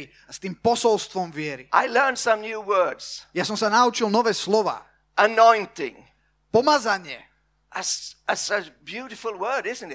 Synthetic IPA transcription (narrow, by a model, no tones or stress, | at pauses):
i | ast̪iːmpɔsɔlst̪ʋɔmʋɪɛɾiʔa̰ɪlɜ̃˞nsə̃mnjuwɜ˞dz̥jasɔmsanaut͡ʃilˠnɔʋɛːslɔʋa̰ː | ʔənɔ̃ɪ̃ntɪ̰̃ŋ | pɔmazaɲɪɛ | ʔəsəsʌbjuɾɪfəl̩ˠwɜ˞ɾɪz̃n̩tɪt̚